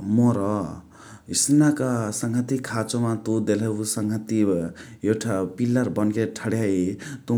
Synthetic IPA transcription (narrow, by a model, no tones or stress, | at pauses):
moɾʌ | isinakasʌŋɡʱat̪ikʰat͡somat̪ud̪elebusʌŋɡʱat̪iewʈʰapilːarbʌnkeʈʰʌɽjaet̪u